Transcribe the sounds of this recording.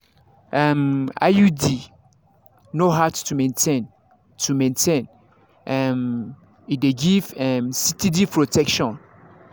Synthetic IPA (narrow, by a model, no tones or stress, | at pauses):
ʔɛma̰judi | noɦattumɛ̃ntʰẽn | tʰumɛ̃ntʰẽn | ʔɛm | ideɡivɛmsitʰidipʰɹotɛkʃɔ̃n